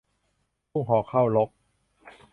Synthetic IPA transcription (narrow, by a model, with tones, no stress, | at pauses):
u˥˩˨ŋɦɔː˩˦kʰa˥˩wlo˦˥k̚